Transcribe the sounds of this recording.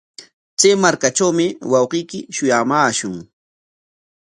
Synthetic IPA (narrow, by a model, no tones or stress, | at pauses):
t͡sejmaɾkaʈ͡ʂawmɪwɑwqijkɪʃʊjamaːʃʊŋ